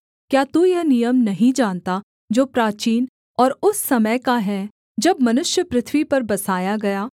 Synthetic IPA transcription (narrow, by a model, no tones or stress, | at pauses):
kjaːt̪ujɐɦnijəmnɐɦĩd͡ʒaːnt̪a | d͡ʒoːpɾaːt͡ʃiːn | ɔːɾʊsːɐməjkaɦɛ | d͡ʒɐbmɐnʊʃjəpɾɪt̪ʰwipɐɾbɐsaːjaɡɐjaː